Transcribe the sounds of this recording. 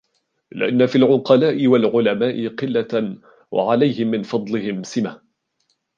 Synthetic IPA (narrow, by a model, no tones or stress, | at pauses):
lɪ̰ʔanːafiːlʕʊqɑlaːʔɪwalʕʊlamaːʔɪqɨlːa | wʔa̰ʕalajhɪmːɪnfɑd̪ˤlɪhɪmsɪmah